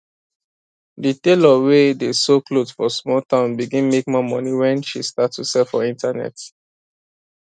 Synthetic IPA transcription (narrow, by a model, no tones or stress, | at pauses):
ditelɔwedesoklodfɔsmɔltãʊ̃nbiɡĩnmek̚mamɔ̃niwɛ̃nʃistatsusɛlfɔĩntanɛ̰t